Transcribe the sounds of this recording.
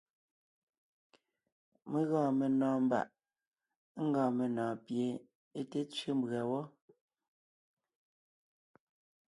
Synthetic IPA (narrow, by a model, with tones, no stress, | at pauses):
me˨ɣɔ̃ː˨me˨nɔ̃ː˨m̩˦ba̰˦˨ʔ | ŋ̩˦ɡɔ̃ː˨me˨nɔ̃ː˨pje˨ | e˦te˦t͡sɥe˦mbɰa˨wɔ˦